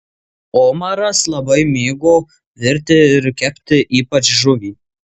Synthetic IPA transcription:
oːmɐɾɐslˠɐbɐɪmʲeːɡoː | ʋʲɪɾʲt̪ʲɪɪɾkʲɛpʲt̪ʲɪʔiːpɐt͡ʃʒʊʋʲiː

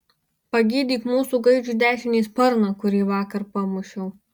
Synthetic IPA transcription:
pɐɡʲiːd̪ʲiːkmuːsuːˑɡɐɪd͡ʒʲuːd̪ʲæːʃʲɪnʲiːspɐɾnɐkʊɾʲiːʋɑːkɐɾpɐmʊʃʲɛʊ

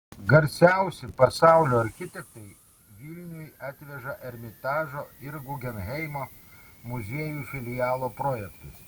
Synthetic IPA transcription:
ɡɐɾʲsʲæˑʊsʲɪpɐsɑˑʊlʲoːɐɾʲxʲɪt̪ʲɛkt̪ɐɪ | ʋʲɪlʲnʲʊjɑːt̪ʲʋʲɛʒɐʔɛɾʲmʲɪt̪ɑːʒoːɪɾɡʊɡʲɛnɦʲɛɪmoːmʊzʲeɛjuːfʲɪlʲɪjæːlˠoːpɾoːjɛkt̪ʊs

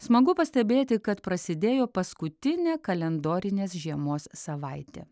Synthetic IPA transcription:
smɐɡʊpɐsʲt̪ʲɛbʲeːt̪ʲɪkɐt̪pɾɐsʲɪd̪ʲeːjoːpɐskʊt̪ʲɪnʲeːkɐlʲɛnd̪oːɾʲɪnʲeːsʒʲiɛmoːssɐʋɐɪt̪ʲḛː

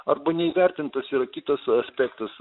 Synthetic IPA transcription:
ɐɾbɐnʲɛiːʋʲæɾʲt̪ʲɪnt̪ɐsiːɾɐkʲɪt̪ɐsɐsʲpʲɛkt̪ɐs

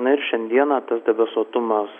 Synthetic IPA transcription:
nɐɪɾʃʲɛnʲd̪ʲiɛnɑːt̪ɐsd̪ʲɛbʲɛsuɔt̪ʊmɐs

